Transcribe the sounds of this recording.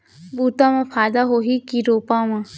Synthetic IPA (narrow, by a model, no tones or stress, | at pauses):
bʱuːt̪ãmãpʰaːjd̪aɦoɦikiɾoːpãːmã